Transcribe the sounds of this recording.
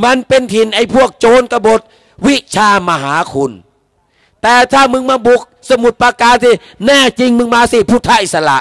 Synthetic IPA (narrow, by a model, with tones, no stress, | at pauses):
ma˧˥˨npe˧nt̪ʰi˧˩nʔa˧˩jpʰu˥˩ək̚t͡ɕoː˧nka˧bo˨˦t̪̚ | wi˦˥t͡ɕʰaː˧ma˧ɦaː˩˨˦kʰu˧n | t̪ɛː˨˩t̪ʰaː˧˥˩mɯ˧ŋmaː˧bu˨˩k̚sa˧mu˨˩t̪̚paː˧kaː˧nsiː˧˩ | nɛː˧˥˩t͡ɕi˧ŋmɯ˧ŋmaː˧siː˧˩pʰuː˧˩t̪ʰːaː˦˧˥nʔi˨˩sa˧la̰˨ʔ